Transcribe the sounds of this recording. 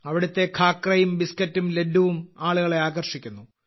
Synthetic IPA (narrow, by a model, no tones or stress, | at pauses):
ɐʋiɽut̪ːe̞kʰaːkrɐjumbiskɐtːumledːuʋumaːɭuɣɐɭe̞aːɣɐrʂikʲːunːu